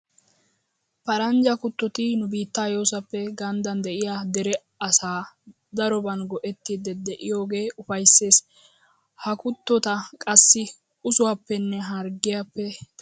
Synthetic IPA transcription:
pɐɾɐnd͡ʒɐkʊt̪ːɔt̪ɪnʊbiːt̪ːaːjo̞ːsɐpːɛɡɐnd̪ɐnd̪ɛʔɪjaːd̪ɛɾɛ | ɐsaː | d̪ɐɾɔbɐnɡɔʔɛt̪ːiːd̪ɛd̪ɛʔɪjo̞ːɡe̞ːʔʊfɐjsːe̞ːs | hɐkʊt̪ːɔt̪ɐkʼɐsːɪ | ʊsʊwapːɛnːɛɦɐɾɡɪjapːɛ

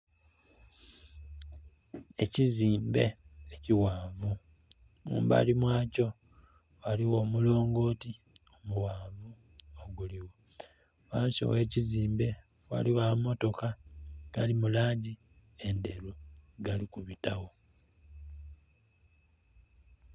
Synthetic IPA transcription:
e̞ciziːmbeeciwaːvu | mṵːmba̰limwaːco̞ | waliwo̞ːmulo̞ːŋɡo̞ːti | omuwaːvu | oɡuliwo | waːnso̰weːciziːmbe̞ | wa̰liwamo̞to̞kaɡ̥alimulaːɲɟi | e̞nde̞luɡalikuβitawo

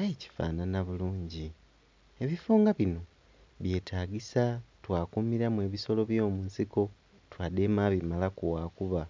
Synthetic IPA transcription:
ajeci̥fa̰ːnanaβuluːɲɟi | e̞βifuːŋɡaβino̞ | βje̞ːtʰaːɡisatwaːkumiɾamwe̞ːβiso̞lo̞βjo̞ːmuːnsiko̞ | twaːdemaβimalakuwaːkuβa

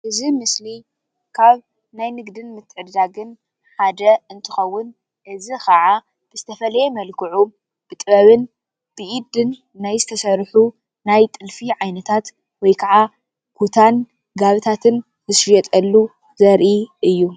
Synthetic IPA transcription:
ʔɨzimɨsli | kʰaβ | najnɨɡd̪ɨnmɨt̪ʰːɨʕɨdd̪aɡɨn | ħad̪ɐɨnt̪ʰɨxɐwːʊn | ʔɨzixɐʕa | b̥ɨzɨt̪ʰɐfɐlɐjɛmɐlkʰɨʕu | b̥ɨt̪ʼɨβɐβɨn | b̥ɨʔid̪ɨnː | ajzɨt̪ʰɐsɐɾħu | najt̪ʼɨlfiʕajnɐt̪ʰat̪ | wɔjkʰaʕa | kʰut̪ʰan | ɡaβɨt̪ʰat̪ʰɨn | ɨsɾɛt̪ʼɐlːu | zɐɾʔiʔɨjːu

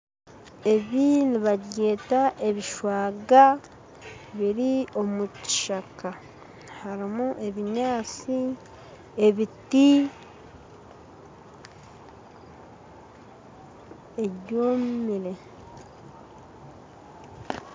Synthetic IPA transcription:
e̞βiniβaɟe̞ːtaʔe̞βiʃwaːɡa | βiɾio̞muci̥ʃaka | haɾimuʔe̞βiɲaːt͡si | e̞βiti | eɟoːmmiɾe̞

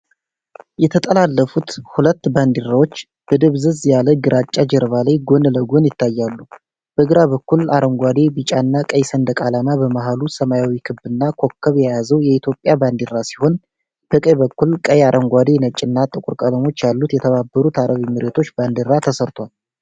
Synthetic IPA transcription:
jɛt̪ʰət̪ʼəlalːəfut̪hulət̪ːband̪iɾawo̞t͡ʃː | b̥əd̪ɨβzɨzjaləɡɨɾʔat͡ʃʼːad͡ʒɛɾβalajɡo̞nləɡo̞njɪt̪ːajːalːu | b̥əɡɨɾaβəkːulaɾəmɡʷad̪ebit͡ʃʼanːakʼəjsənd̪əkʼalamabəmaɦalusəmajawikʰɨbːɨnːakʰo̞kːəβjɛjazəwjɛit̪ʰjopʼjaband̪irːasi̥ho̞n | b̥əkʼəjbəkːulkʼəjaɾʔəmɡʷad̪enət͡ʃʼːɨnːat̪ʼɨkʼuɾkʼələmo̞t͡ʃːjalːut̪jɛt̪ʰəβabːəɾut̪aɾʔəβimɨɾet̪ʰo̞t͡ʃːband̪iɾat̪ʰəsəɾt̪ʰwal

